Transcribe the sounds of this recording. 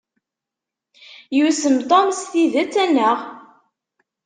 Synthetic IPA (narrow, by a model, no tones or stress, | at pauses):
jusəmt̪ˤomsθiðæt͡sːænːəʁ